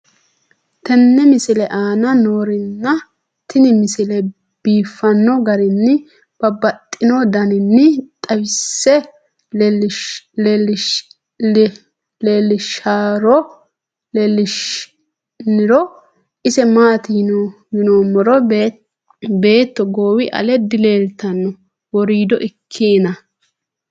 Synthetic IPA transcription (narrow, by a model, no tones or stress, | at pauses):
t̪ɛnːɛmɪsɪlɛʔaːnɐnoːɾɪnːɐ | t̪ɪnɪmɪsɪlɛ | b̥iːfːɐnːɔɡɐɾɪnːɪ | b̥ɐbɐt̪ʼːɪnɔd̪ɐnɪnːɪt̪ʼɐwɪsːɛ | lel | leːlːɪʃaːɾɔ | lelːɪʃ | nɪɾɔ | ʔɪsɛmaːt̪ɪn | jɪnoːmɔɾɔ | be̞ːt̪ːɔɡoːwɪʔɐ̰lɛd̪ɪle̞ːlt̪ɐnːɔ | wɔɾiːd̪ɔʔɪkʰːeːnɐ